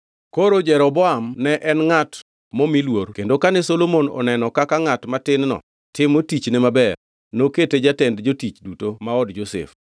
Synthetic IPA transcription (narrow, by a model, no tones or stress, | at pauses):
koɾod͡ʒɛɾɔbɔamnɛʔɛnŋat | momilwoɾkendokanɛsolomonɔ̰nɛnɔkakaŋatmatɪnnɔ̰ | tɪmotit͡ʃnemabɛr | noketed͡ʒatɛndd͡ʒotit͡ʃdutomaɔdd͡ʒosɛ̰f